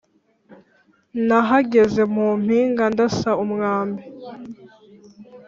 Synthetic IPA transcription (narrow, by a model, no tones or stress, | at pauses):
naɦaɡe̞ze̞muːm̥hiːŋɡandasaumŋaːmbe